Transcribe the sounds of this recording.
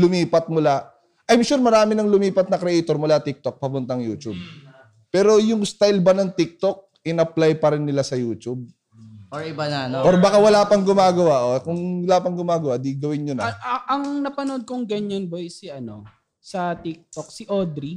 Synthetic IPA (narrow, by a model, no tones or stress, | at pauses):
lʊmiːpɐt̪̚mʊla | ʔɐjmʃuɾmɐɾaːmɪnɐŋlʊmiːpɐt̪̚nɐkɾɛʔɛjt̪oɾmʊlat̪ɪk̚t̪ok̚pɐpʊnt̪aŋjuːt͡ʃub̚ | pɛːɾo̞jʊŋst̪ajlbɐnɐŋt̪ɪk̚t̪ok̚ | ɪnɐplajpɐɾɪnːɪlasɐjuːt͡ʃub̚ | oɪbanɐnoʔoɾbakawɐlaːpɐŋɡʊmaːɡɐwaʔokʊŋwɐlaːpɐŋɡʊmaːɡɐwaʔd̪iɡɐwɪnjʊnɐɐʔɐŋnɐpɐnod̪̚kʊŋɡɐɲɐnbojsiʔɐno̞̰ | sɐt̪ik̚t̪ok̚siʔod̪ɾi